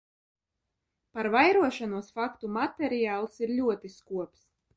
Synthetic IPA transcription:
paɾvajɾuɔʃanuɔsfakt̪umat̪ɛɾijaːlˠsiɾlʲuɔt̪iskuɔps

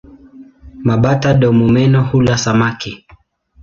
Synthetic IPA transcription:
maɓataɗɔmumɛnɔhulasamaki

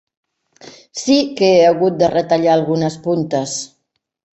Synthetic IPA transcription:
sikeeaɣut̪̚d̪ərət̪aʎaːlˠɣunəspunt̪əs

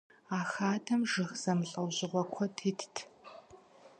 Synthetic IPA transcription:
aːxaːtʰɐmʒɨxz̥ɐmɬʼɐwʑɪʁʷɔkʷʰɔtʰiːtʰtʰ

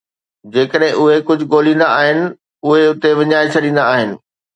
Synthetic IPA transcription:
d͡ʑeːkəɗɦɪ̃ʔʊɦekʊd͡ʑʱʊɠoːlĩːnd̪aaːɦɪnɪ̆ | ʊɦeʊt̪eʋɪɲaːet͡ɕʰɐɗĩːn̆d̪aːɦɪnɪ̆

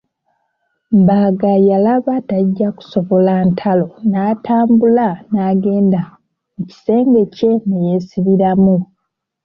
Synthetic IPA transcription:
mbaɡajalaβataɟːaku̥so̞βo̞lantʰalo̞naːtaːmbulanaːɡe̞ːnda | uci̥se̞ːŋɡe̞ce̞neje̞siβiɾamu

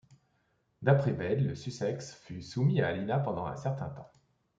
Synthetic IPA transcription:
d̪apχɛbɛdləsysɛksfysumiaːlinapɑ̃d̪ɑ̃ɛ̰̃sɛʁt̪ɛ̰̃t̪ɑ̃

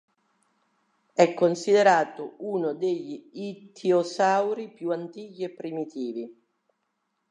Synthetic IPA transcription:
ɛkːonsid̪eɾaːt̪ʊunʊd̪eʎːiit̪ʰiosawɾipjuant̪iːkiɛpːɾimit̪iːvi

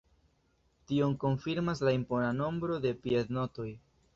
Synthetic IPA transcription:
tioŋko̞ɱfiɾmaslaimpo̞nano̞mbɾo̞de̞pie̞d̪no̞to̞j

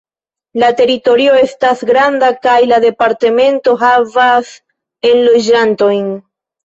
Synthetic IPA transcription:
late̞ɾito̞ɾio̞e̞stasɡɾand̪akajlaðe̞paɾte̞me̞nto̞ɦavas | e̞nlod͡ʒanto̞jn

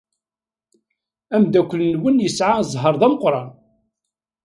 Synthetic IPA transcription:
æmd̪ækʷːəlnwənjəsʕazˤɦəɾˤðˤæməqɾˤɑn

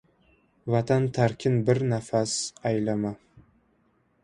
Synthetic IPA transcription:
vat̪ʰant̪ʰaɾkʲʰɪnbɪɾnafasajlama

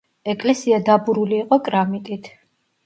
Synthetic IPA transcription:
ɛkʼlɛsiad̪abuɾuliːqʼɔkʼɾamit̪ʼit̪ʰ

